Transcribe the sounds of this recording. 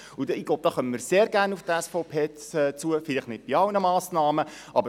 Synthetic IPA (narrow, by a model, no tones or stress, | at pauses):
udɪɡ̥lob̚d̥̪ɑːχœməməɾseːɾɡæːɾnufd̥̪əæsfɔʊpʰeːt͡suəfɪlɪχtnɪt̚b̥iɑwnəmɑːsnɑːmə | ʔɑbə